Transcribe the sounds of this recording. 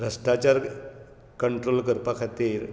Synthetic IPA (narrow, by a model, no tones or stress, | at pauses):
ɾəsʈat͡ɕaɾ | kəɳʈɾolkəɾpakʰat̪iːɾ